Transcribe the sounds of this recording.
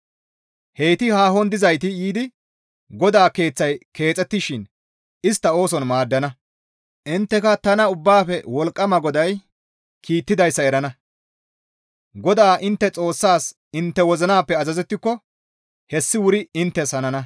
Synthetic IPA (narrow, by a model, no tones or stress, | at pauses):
hejt̪ɪhaːɦɔnd̪ɪzɐjt̪ɪjiːd̪ɪ | ɡɔd̪aːke̞ːt͡sːɐjkʰe̞ːt͡sʼːɛt̪ːɪʃɪn | ɪst̪ːɐo̞ːsɔnmaːd̪ːɐnɐ | ʔɪnt̪ːɛkɐt̪ɐnɐʊbːaːfɛwɔlkʼːɐmɐɡɔd̪ɐj | kʰiːt̪ːɪd̪ɐjsːɐɛɾɐnɐ | ɡɔd̪aːʔɪnt̪ːɛt͡sʼo̞ːsːaːs | ɪnt̪ːɛwɔzɐnaːpːɛɐzɐzɛt̪ːɪkːɔ | hɛsːɪwʊɾɪɪnt̪ːɛshɐnɐnɐ